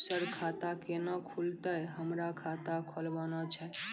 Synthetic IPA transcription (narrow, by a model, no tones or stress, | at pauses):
səɾkʰat̪akenakʰult̪əjɦəmɾakʰat̪akʰolʋanat͡ʃʰe